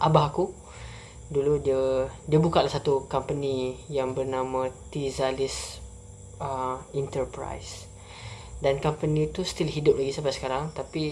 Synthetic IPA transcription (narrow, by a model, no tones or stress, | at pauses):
ʔabaɦaku | duludiədiəbukatlahsat̪ukampənijaŋbərnãmãt̪izalis | əint̪ərpɾa̰js | dankampənĩːt̪ust̪ilɦidʊp̚laɡisabasə̥kaɾaŋt̪api